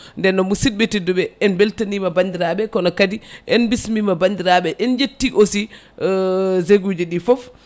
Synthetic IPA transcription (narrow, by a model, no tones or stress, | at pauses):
ndɛnːɔmusid̚betidubɛɛnbeltanimabandiɾaɓɛkɔnɔkadiʔɛnbismimabandiɾaɓɛʔɛnd͡ʒetːiʔosi | zeɡud͡ʒiɗifɔf